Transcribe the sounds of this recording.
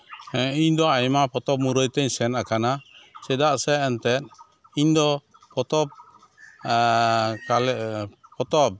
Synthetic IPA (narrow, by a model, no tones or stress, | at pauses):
iɲd̪ɔajmapɔt̪ɔp̚muɾəjt̪ɛɲsɛnakanasɛd̪aʔsɛːnt̪ɛt̪̚ | iɲd̪ɔ | pɔt̪ɔp̚ | kalpɔt̪ɔp̚